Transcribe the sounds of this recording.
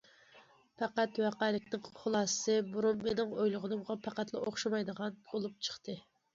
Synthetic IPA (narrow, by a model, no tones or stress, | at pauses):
pʰɑqæt̪wæqæːlɪkʲnɪŋχʊlˠɑːsɨ̥sɨbuɾummenɪŋojlˠʊʁʊnɨmʁɑpʰæqæt̪lˠɨʔoχʃɑmɑjd̪əʁɑnbolˠup̚t͡ʃʰə̥χt̪ʰɨ